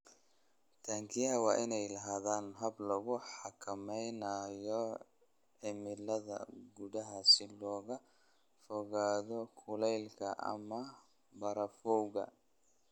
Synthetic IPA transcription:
t̪ʰaːŋkʰɪjɐɐwɑːʔɪnɛjlɐɦaːðaːnɦɐblɐɣʊħɑkʰɐmɛjnɐjɔ | ʕɪmɪlɐðɐ̰ɡʊðɐɦɐsɪlɔːɣɐ | fɔɣaːðɔkʰʊlɛjlkʰɐ̰ʔɐ̰mɐ | bɐɾɐfɔwɣɐ̰

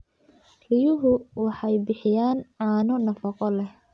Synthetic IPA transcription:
rɪjʊɦʊwɑħɑjbɪħɪjaːnʕɑːnɔnɐfɑqɔlɛh

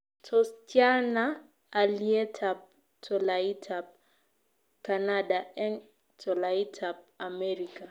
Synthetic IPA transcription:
tʰɔst͡ʃjana | aliɛtʰap̚ | tʰɔlaitʰap̚ | kanadaɛn | tʰɔlaitʰap̚amɛɾika

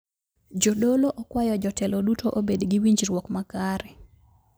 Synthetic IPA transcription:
d͡ʒodoloʔɔkwajɔd͡ʒɔtɛlodutoʔobedɡiwiɲd͡ʒɾwɔkmakaɾɛ

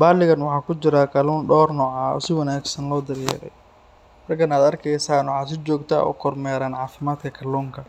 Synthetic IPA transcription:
baːlɪɣɐnwɑħɑːkʰʊt͡ʃɪɾɐkʰɐlɔːnɖɔːrnɔːʕaːɔ̰sɪwɐnaːɡsɐnlɔːd̪ɐrjɛ̰ːɾɛ̰j | rɐɡɐnaːd̪ɐrkʰɛjsaːnwʊħɑːs̬ɪd͡ʒɔːɡt̪ʰa̰ɔ̰ːkʰɔrmɛːɾaːnʕɑːfɪmaːd̪kʰɐkʰɐlɔːŋkʰɐ

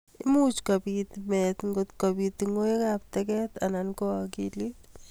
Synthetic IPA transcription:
ɪmut͡ʃkapit̪mɛt̪ŋɡot̪kabit̪iŋoekap̚t̪ɛkɛt̪anankɔkilit

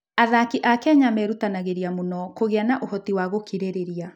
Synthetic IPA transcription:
aðakiʔakɛɲamɛɾutanaɣeɾiamonɔkoɣeanaʔohɔtiwaɣokiɾeɾeɾia

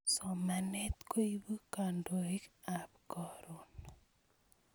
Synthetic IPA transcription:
sɔmanɛt̪koibukandoikap̚kɔɾon

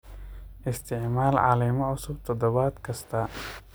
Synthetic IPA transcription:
ʔɪst̪ʰɪʕmaːlʕɑ̰lɛːmɔʕʊsʊb̚t̪ʰɔd̪ɔβaːd̪kʰɐst̪ʰɐ

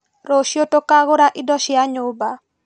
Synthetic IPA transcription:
ɾoʃjotokaɣʊɾaʔɪdɔʃɪaɲʊba

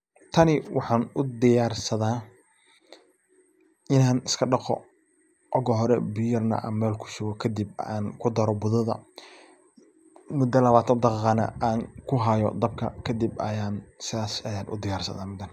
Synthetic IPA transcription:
t̪ʰɐnɪwʔɑħɑːnʊd̪ɪjaːrsɐðaː | ɪnaːnɪskʰɐɖɑqɔ̰ | ʔɔɣɔɦɔɾɛbɪjɐrnɐ̰ʔɐ̰mːɛːlkʰʊ̥ʃʊɡɔkʰɐd̪ibaːnkʰʊd̪ɐɾɔbʊðɐðɐ̰ | mʊd̪ɐlɐβaːt̪ʰɐnd̪ɑqɑːqɑːnɐ̰ʔaːŋkʰʊɦɐjɔ̰d̪ɐb̚kʰɐ̰kʰɐd̪ibɐ̰jaːnsɪðaːsɐjaːnʔʊ̰d̪ɪjaːrsɐ̰ðaːmʊd̪ɐn

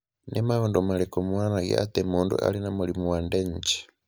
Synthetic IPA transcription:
nʔɛmaɔndɔmalɛkɔmwanaɡɛ̰a̰t̪ɛmundṵʔa̰linamulimuwandɛɲ̩d͡ʒi̥

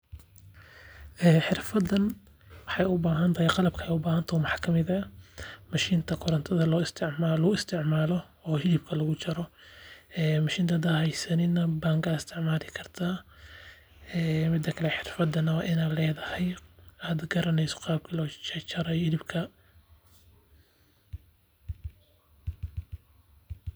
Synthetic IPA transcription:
ʔɛːħɪrfɐd̪ɐn | wɑħɑjʊbaːɦɐnt̪ʰɐhajqɑlɐbkʰɐjʊbaːhɐnt̪ʰɐmwɑħɑ̥ːkʰɐmɪðɐmɐʃiːnt̪ʰɐkʰʊɾɐnt̪ʰɐðɐlɔːɪst̪ʰɪʕmaːlɐɣʊɪst̪ʰɪʕmaːlɔ | ɔːɦɪlɪb̚kʰɐlɐɣʊt͡ʃɐɾɔ | ɛːmɐʃiːnt̪ʰɐd̪ɐhɛjsɐnɪnɐbaːŋkaːd̪ɪst̪ʰɪʕmaːlɪkʰɐrt̪ʰa | mɪd̪ːɐkʰɐlɛħɪrfɐd̪ɐnɐwɑːʔɪnaːlɛːðɐhɛjaːd̪ɡɐɾɐnɛjsɔ̥qɑːb̚kʰɐlɔːt͡ʃɐt͡ʃɐɾɛhɪlɪbkʰɐ

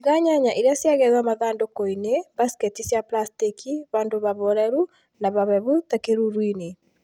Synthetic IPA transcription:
ɣaɲaɲaʔeɾjasjaɣɛðwamaðaːndokoinebaskɛtisjaplastikiβandoβaβoɾɛɾu | naβaβɛβutakeɾuɾwine

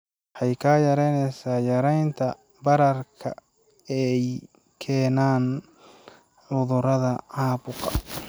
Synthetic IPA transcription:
ħɑjkʰaːjɐɾɛjnɛsaːjɐɾɛjnt̪ʰɐ | bɐɾɐrkʰɐ̰ | ɛj | kʰɛːnaːn | ʕʊðʊɾɐðɐʕɑːbʊqɐ̰

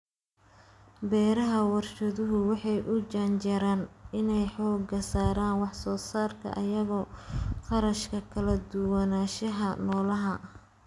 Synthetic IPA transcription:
bɛːɾɐɦɐwɑrʃɐðʊɦʊwɑħɑjʔʊd͡ʒɐnt͡ʃɐɾaːnɪnɛjħɔːɡɐsaːɾaːnwɑħsɔːsaːrkʰɐ̰ʔɐjɐɣɔːqɑɾɐʃkʰɐkʰɐlɐd̪ʊwɑnaːʃɐɦɐnɔːlɐɦɐ

